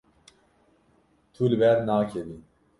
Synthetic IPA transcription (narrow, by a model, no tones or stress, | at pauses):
t̪ʰulɨbɛɾnaːkʰɛvi